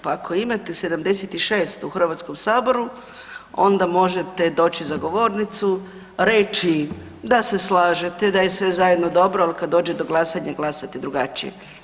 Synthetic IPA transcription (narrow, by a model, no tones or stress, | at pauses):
paakʰo̞imat̪ese̞d̪amd̪eset̪iʃe̞ːst̪uxr̩ʋat̪sko̞msaːbo̞ɾu | o̞nd̪amo̞ʒet̪e̞d̪o̞ːt͡ʃizaɡo̞ʋo̞ːɾnit̪su | ɾe̞t͡ʃi | d̪ase̞slaːʒet̪ed̪ajesʋe̞zajed̪no̞d̪o̞bɾoalikad̪ːo̞ːd͡ʒed̪o̞ɡlˠasaɲaɡlˠasat̪ed̪ɾuɡat͡ʃḭjḛ